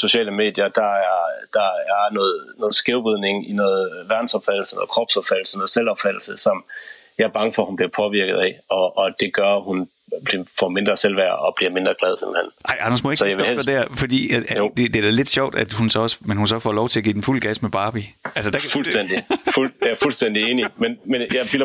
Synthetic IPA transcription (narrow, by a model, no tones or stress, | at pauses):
so̝ɕɛ̰ːləme̝̰ːd̥jɐd̥ɑ̈æɐd̥ɑ̈æɐnɔːð̩ˠnɔːð̩ˠsɡ̥eʊb̥iðˠne̝ŋinɔ̽ːð̩ˠʋæɐd̥n̩sɒ̽b̥fæd̥l̩sənɔ̰ːð̩ˠkʰʁɒ̽b̥sɒ̽b̥fæd̥l̩sənɔːð̩ˠselɒ̽b̥fæd̥l̩səsɒ̽mjɑ̈ɪɐb̥ɑ̈ŋəfɒhunb̥liɐpʰɒ̽ʋiɐ̰ɡ̥əð̞̩ˠɛɒ̽ːd̥e̝ɡ̥ɶɐhun | b̥liɐfɒme̝nd̥ʁɐsel̰ʋæɐɒ̽b̥liɐme̝nd̥ʁɐɡ̥lɛð̞ˠsemhen̰ʔɑ̈ɪ̰ʔɑ̈nɐsmoeɡsɒjaʋehe̥ɐdæɐfɒd̥ḭːææd̥ed̥eæd̥æle̝d̥ɕɒ̰ʊ̰d̥æd̥hunsɒ̽ɒ̽smenhunsɒfɒlɒʊt͡sʰe̝læɡḭːd̥enful̰ɡ̥æsmeb̥ɑ̈ːb̥iælsəd̥æfulsd̥en̰d̥ifufulsd̥en̰d̥ieːnimenmenjɑ̈ɪbil